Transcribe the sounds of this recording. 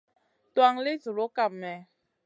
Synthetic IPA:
t̪wa˧ŋle˦zu˨ɾo˨˦ka˦˨pmɛ˨

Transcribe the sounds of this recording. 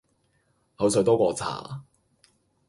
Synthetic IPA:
hɐ˨˥ws̬jt̪ɔː˥kʷɔː˧t͡sʰa̰ː˨˩

